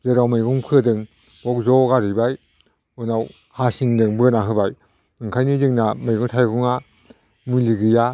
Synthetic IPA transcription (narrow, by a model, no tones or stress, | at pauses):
zɯɾawmajɡuŋkʰɯdɯŋ | bɔk̚zɔɡaɾibaj | unaw | hasiŋdɯŋbɯnaɦɯbaj | ɯŋkʰajnizɯŋnamajɡuŋtʰajɡuŋa | muliɡɯja